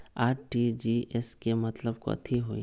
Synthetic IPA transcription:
aːʈʈid͡ʒiʔɛskemɐt̪ləbkɔ̰ːt̪ʰiɦoi

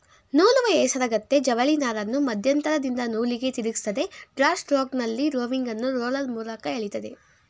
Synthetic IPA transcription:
nuːluʋɐɛːsɐɾɐɡɐt̪ːe̞d͡ʒɐʋɐɭinaːɾɐnːumɐd̪ʱjɐnt̪ɐɾɐd̪ind̪ɐnuːliɡe̞t̪iɾiɡist̪ɐd̪e̞ɖɾaːsʈɾoːɡnɐlːiɾoːʋiŋɡɐnːuɾoːlɐlmuːlɐkɐeːɭit̪ɐd̪e̞̰

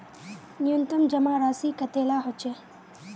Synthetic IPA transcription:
nɪjunt̪əmd͡ʒəmãɾasikət̪elaɦot͡ʃʰe

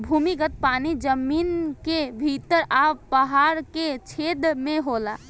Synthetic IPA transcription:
bʱumiɡət̪̚panid͡ʒəminkebʱit̪əɾapəɦaɾket͡ʃʰed̪mẽɦola

